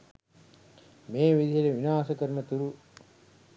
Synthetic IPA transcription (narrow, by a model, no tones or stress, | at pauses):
meːʋid̪ʱijɐleʋinaːsɐkɐɾmɐt̪uɾu